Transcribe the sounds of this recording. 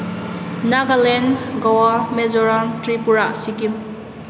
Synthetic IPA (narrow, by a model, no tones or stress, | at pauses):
naɡalenɡawamezɔɾantɾipuɾasikim